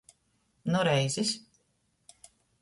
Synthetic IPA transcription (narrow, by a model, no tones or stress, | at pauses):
nuɾɛjzʲis